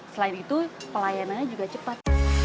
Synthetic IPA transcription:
səlaɪnit̪upəlajanaɲad͡ʒuɡat͡ʃəpat̪̚

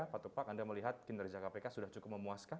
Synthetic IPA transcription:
apat̪upakandaməliɦat̪̚kɪnd̪ərd͡ʒakapekasudaht͡ʃukʊp̚məmuaska

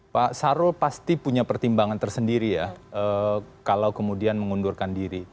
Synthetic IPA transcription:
pasaɾʊlpast̪ipuɲapərt̪imbaŋant̪ərsəndiɾijaəkalawkəmudianməŋundurkandiɾi

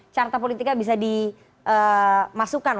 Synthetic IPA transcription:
t͡ʃart̪ap̬olit̪ikabis̬adi | ʔəmasukan

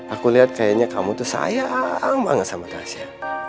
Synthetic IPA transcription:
akuliɦat̪̚kajaɲakamut̪usa̰jaŋba̰ŋəsamadaasia

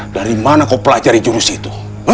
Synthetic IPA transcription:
daɾimanakopəlad͡ʒaɾid͡ʒuɾusit̪u̥

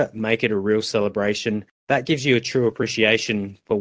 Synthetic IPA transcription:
meɪkɨɾəɹilˠsɛlˠəbɹeɪʃɨ̃n | ðət̚ɡ̥ɪvzjɨːtʰɹ̥ʉːəpʰɹ̥iʃieɪʃɨ̃nfə

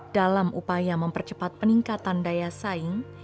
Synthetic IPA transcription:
d̥alamʔṵpajaməmpərt͡ʃəpat̪̚pəniŋkat̪andajasaɪŋ

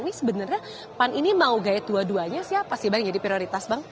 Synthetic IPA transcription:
nisəbənərɲa | paninimauɡaɛt̪̚duaduaɲasiapast̪ibakd͡ʒadipɾioɾit̪asbaŋ

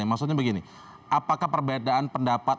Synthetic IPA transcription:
amaks̬ut̪̚ɲabəɡini | ʔapakahpərbedaːnpəndapat̪̚

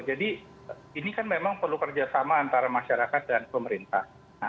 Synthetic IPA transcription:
d͡ʒadi | inikanmemaŋpərlukərd͡ʒasamaːnt̪aɾamaʃaɾakat̪̚danpəməɾint̪a̰h | na

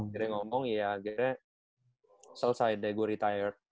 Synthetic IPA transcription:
ɡiɾɛŋɔmɔŋjaɡiɾɛ | sələsajdɛɡuaɾit̪ajərt̪̚

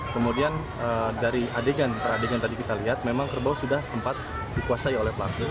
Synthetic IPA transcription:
kəmudian | ədaɾiadeɡanp̪əradeɡant̪adikit̪aliɦat̪̚memaŋkərbawasudahsəmpat̪̚ | dikuasaiolɛhpəlaku

